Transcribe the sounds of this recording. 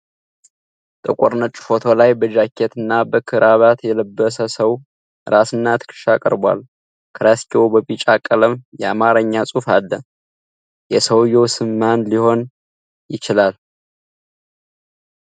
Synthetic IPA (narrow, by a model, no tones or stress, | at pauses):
t̪ʼəkʼoɾnət͡ʃʼːɪ̥fo̞t̪ʰo̞lajbəd͡ʒakʰːet̪ʰɨnːabəkʰɨɾʔaβat̪jɛləbːəsəsəw | ɨɾasɨnːat̪ʰɨ̥kʰɨ̥ʃakʼə̰ɾbwa̰l | kʰɨɾaskʰewbəβit͡ʃʼakʼːələmjɛamaɾəɲːasʼufalːə | jɛsəwjɛwsɨmːanliho̞n | jɪt͡ʃɪlal